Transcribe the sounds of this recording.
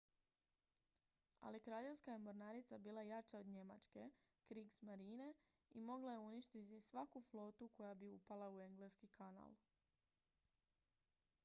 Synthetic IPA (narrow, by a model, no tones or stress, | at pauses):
a̰lijekɾaːʎe̞ʋskajemoɾnaɾit̪sabiːlˠajat͡ʃaod̪ɲe̞ma̰t͡ʃke̞ | kɾiɡsmaɾiːne̞ | imo̞ɡlaje̞uniʃt̪it̪isʋakuflˠo̞ːt̪uko̞jabiupalˠaue̞ŋɡleskikʰana̰lˠ